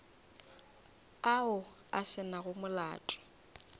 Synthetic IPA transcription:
aʊ | a̰sɪnaɣʊmʊla̰ːtʼɔ̥

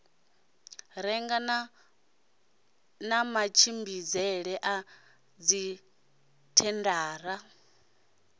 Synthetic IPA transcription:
ɾɛŋɡa | namat͡ʃʰimbid͡zɛɺɛʔa | d͡zi | tʰɛndaːɾa

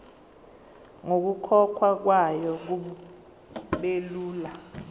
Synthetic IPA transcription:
ŋok̬ukʰɔkʰwak̬wajɔk̬uɓu | ɓeluːla

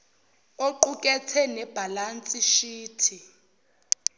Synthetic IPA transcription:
oǃukʼɛtʰɛnɛb̥ʱalant͡sʼiʃiːtʰi

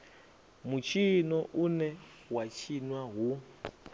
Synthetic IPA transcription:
mut͡ʃʰinɔʔunɛ | wat͡ʃʰinwaɦu

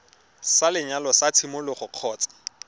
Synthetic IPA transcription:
salɪɲalɔsat͡sʰimʊlʊχʊq͡χʰɔːt͡sḁ

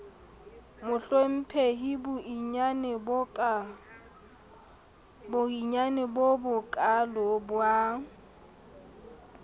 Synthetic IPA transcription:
mʊɬwem̩pʰeɦibʊɲan | bʊiɲanɪbobʊkʼalɔbwa

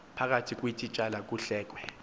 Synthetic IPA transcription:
pʰak̬atʰik̬ʼwitʰʼit͡ʃʼalak̬ʼuɬɛːk̬ʼwɛ

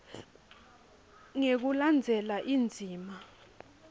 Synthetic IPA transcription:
ŋek̬uland͡zʱɛlaʔind͡zʱiːma

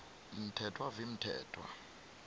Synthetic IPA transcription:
m̩tʰɛtʰwavim̩tʰɛ̰ːtʰwa̰

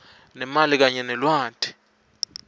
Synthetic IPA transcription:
nɛmalik̬aɲɛnɛlwaːtʰʼi̥

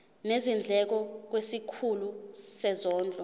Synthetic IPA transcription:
nezind͡ɮʱɛk̬ɔk̬wesikʰulusɛzɔːnd͡ɮʱɔ

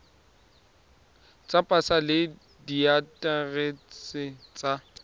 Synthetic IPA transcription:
t͡sʼapʼasalɪ | diatʼaret͡sʼɪt͡sʼa

